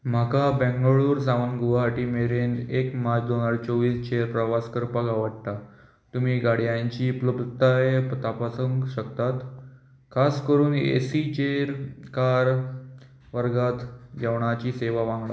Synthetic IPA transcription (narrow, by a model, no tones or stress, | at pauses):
m̤akabɛ̃ŋɡɭuːɾsaʋənɡuʋaʈiːmeɾenekmad͡ʑd̪onaɾt͡soʋiːst͡ɕeɾpɾəʋaskəɾpəɡaʋəɽt̪a | t̪um̤iːɡaɽ̤jãɲt͡ɕiːpləbt̪ajpt̪apasəŋɡɕəkt̪at̪ | kʰaskəɾuːnḛsit͡ɕeɾkaɾ | ʋəɾɡat̪ɡɛʋɳat͡ɕiːseʋaʋãŋɡɭa